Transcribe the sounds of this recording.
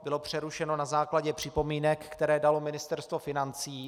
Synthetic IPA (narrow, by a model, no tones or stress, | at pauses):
bɪlopr̝̥ɛɾuʃɛno̞nazaːklaɟɛpr̝̥ɪpo̞miːnɛkːt̪ɛɾɛːdalo̞mɪnɪst̪ɛɾst̪vo̞fɪnant͡siː